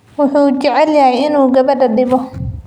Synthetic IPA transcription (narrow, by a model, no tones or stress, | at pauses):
wʊħuːd͡ʒɛʕɛljajɪnuːɡɐbɐdɐɗɪbɔ